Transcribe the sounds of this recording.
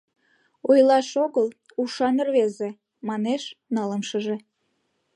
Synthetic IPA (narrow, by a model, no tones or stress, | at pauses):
ojlɑʃoɣəl | uʃɑnərβeze | mɑneʃnɑləmʃəʒe